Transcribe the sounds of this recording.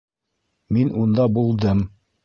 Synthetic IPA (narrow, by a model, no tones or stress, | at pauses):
minʔund̪ɑbulˠd̪ɤm